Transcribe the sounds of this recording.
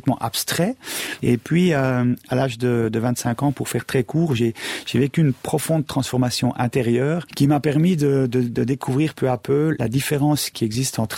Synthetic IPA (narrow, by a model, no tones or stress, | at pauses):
t̪mɑ̃ʔapst̪χɛepɥiøalaːʒd̪əd̪əvɛ̃t̪sɛ̃kɑ̃puʁfɛʁt̪χɛkuːʁʒeʒ̥evekʲyːnpχɔfɔ̃d̪̚t̪χɑ̃sfɔʁmasjɔ̃ʔɛ̃t̪eʁjœːʁkʲimapɛʁmid̪əd̪əd̪əd̪ekʰuvʁiːʁpøapøla̰d̪ifeʁɑ̃skʲiɛɡzist̪ɑ̃t̪χ